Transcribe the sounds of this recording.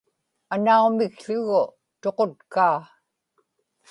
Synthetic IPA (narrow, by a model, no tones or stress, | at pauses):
anaumɪɣɬʊɣʊ | t̪o̞qot̪kaː